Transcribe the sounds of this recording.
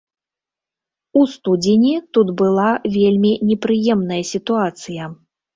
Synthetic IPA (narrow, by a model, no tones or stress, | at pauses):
ust̪ud͡zʲɪnʲit̪ud̪bɨlˠavʲelʲmʲinʲɛpɾɨjɛmn̪ɐjɐsʲit̪uat̪sɨjɐ